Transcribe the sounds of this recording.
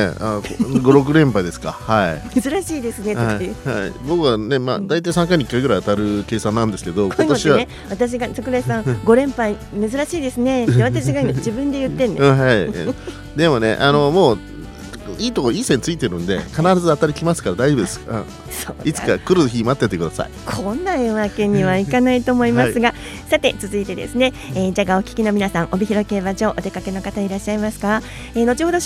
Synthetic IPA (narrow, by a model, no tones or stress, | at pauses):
eaoɡo̞ɾo̞k̬ɯ̟ɾẽ̞mpaid̪e̞sɨ̥kahaimezɨɾaɕiːd̪esɨnehahaḭbo̞kɯ̟βane̞ma̰d̪ait̪aisãŋk̬aiɲ̟ikːaiɡɯ̟ɾaiat̪aɾɯ̟ke̞ːsãnãnd̪e̞sɨ̥ke̞d̪o̞okot̪ɕieβae | βat̪aɕ̬iɡasakɯ̟ɾaisãɡo̞ɾẽ̞mpai | me̞zɨɾaɕiːd̪e̞sɨne̞t̪ːeβat̪aɕiɡaimad͡ʑibɯ̟̃nd̪e̞jɯ̟t̪ːẽnd̪̃ɦai | d̪e̞mo̞ne̞̰ʔano̞mo̞ː | iːt̪okoiːsẽɲt͡sɨit̪e̞ɾɯ̟̃nd̪ekanaɾazɨat̪aɾʲikʲimasɨ̥kaɾad̪aibɯ̟d̪esɨ̥kɯ̰̃ | so̰ːit͡sɨ̥kakɯ̟ɾɯçiimat̪ːet̪ːekɯ̟d̪asa̰ikʰõ̞nːaeβake̞ɲ̟ːiβaikanait̪o̞ːmo̞imasɨɡa | sat̪e̞t͡sɨzɨit̪e̞d̪ḛsɨne̞ | eːd͡ʑaːɡao̞kʲi̥kʲino̞mʲinasãŋʔo̞bʲiçiɾo̞ke̞βad͡ʑo̞ːʔot̪e̞kake̞no̞kat̪aiɾaɕːaimasɨ̥ka | eːno̞t͡ɕihod̪o̞